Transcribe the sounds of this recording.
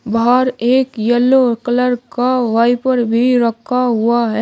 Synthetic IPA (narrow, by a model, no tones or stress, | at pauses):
bɦaːɾeːkjəlːokələɾkaʋaːipəɾbʱiɾɐkʰːaɦʊaɦɛ